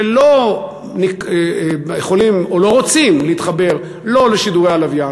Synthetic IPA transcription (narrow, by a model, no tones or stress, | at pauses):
elo̞ | nik | jeχo̞limolo̞ʁot͡simliit̪χabe̞ʁ | lo̞leʃiduʁealavja